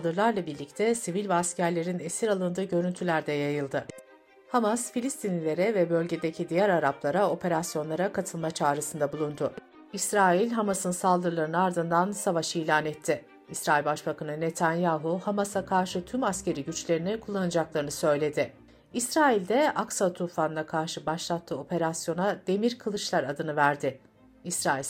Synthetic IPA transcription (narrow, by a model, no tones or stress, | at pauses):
d̪ɯɾlˠaɾlˠabiɾlʲict̪ʰɛsivilʲvɛascʰæɾlʲe̞ɾinesiɾalˠɯnd̪ɯːɟø̞ɾynt̪ʰylʲæɾd̪ɛjajɯlˠd̪ɯ | hamasfilʲist̪ʰinilʲe̞ɾɛvɛbø̞lʲɟe̞d̪e̞cʰid̪ijæɾaɾaplˠaɾao̞pʰe̞ɾasjo̞nˠaɾakʰat̪ʰɯlˠmat͡ʃʰaːɾɯsɯnd̪abulˠund̪ʊ | isɾaːilʲɦamasɯnsalˠd̪ɯɾlˠaɾɯnɯaɾd̪ɯnd̪ansavaʃiːlʲaːnɛt̪ʰːɪ | isɾaːilʲbaʃbakanɯne̞t̪ʰanjaːɦuhamasakʰaɾʃɯt̪ʰymasce̞ɾiɟyt͡ʃlʲe̞ɾinɛkʰulˠːanad͡ʒaklˠaɾɯnɯsø̞jlʲe̞d̪ɪ | isɾaːilʲd̪ɛaksat̪ʰufanɯnakʰaɾʃɯbaʃlˠat̪ʰːɯo̞pʰe̞ɾasjo̞nad̪̥e̞miɾkʰɯlˠɯʃlˠaɾad̪ɯnɯvæɾd̪ɪ | isɾaːilʲ